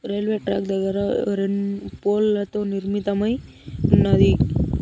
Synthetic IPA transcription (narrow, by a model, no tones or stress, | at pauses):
ɾelʋeʈɾak̚d̪ɐɡaɾaɾenpolɐt̪oniɾmit̪amaj | unːad̪ik